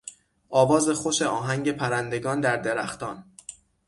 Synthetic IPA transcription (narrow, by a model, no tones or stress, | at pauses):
ʔɒːvɒːze̞xo̞ʃe̞ʔɒːɦæŋɟe̞pʰæɾænd̪e̞ɡɒːnd̪æɾd̪e̞ɾæxt̪ɒ̰ːn